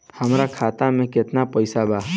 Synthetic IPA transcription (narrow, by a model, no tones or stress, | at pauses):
həmɾakʰat̪amẽket̪napəjsaba